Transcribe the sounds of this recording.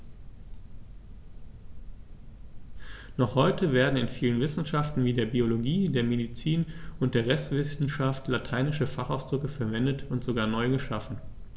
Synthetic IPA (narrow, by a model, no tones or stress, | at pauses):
nɔχhɔʏtʰəveːɐdn̩ɪnfiːlənvɪsn̩ʃaftn̩viːdeːɐbioloɡiːdeːɐmedit͡siːnʊntd̥eːɐʁɛstv̥ɪsn̩ʃaftlatʰaɪnɪʃəfaχaʊsd̥ʁʏkəfɛɐvɛndətʊntz̥oɡaːɐnɔʏɡəʃafn̩